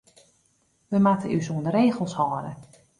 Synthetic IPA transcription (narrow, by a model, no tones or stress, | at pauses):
ʋəmatəʔysuəndəɾeːɣəlˠshɔːɾə